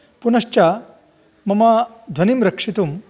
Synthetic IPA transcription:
punɐʂt͡ʃa | mɐma | d̪ʱɐnimɾɐkʂit̪um

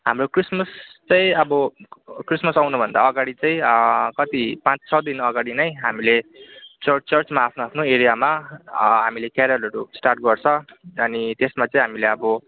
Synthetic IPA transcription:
ɦamrokrismʌst͡sʌjĩʌbʌkrismʌsawnʌbʱʌnd̪aʌɡaɽit͡saĩkʌt̪ipãt͡st͡sʰʌd̪inʌɡaɽinʌjɦamilet͡sʌt͡sʌrt͡smaːpʰnoapʰnoeɾijamaɦamilekjaɾʌlʌɾusʈarʈ̚ɡʌrt͡sʰʌ̃ʌnit̪esmat͡sʌĩɦamileʌbʌ

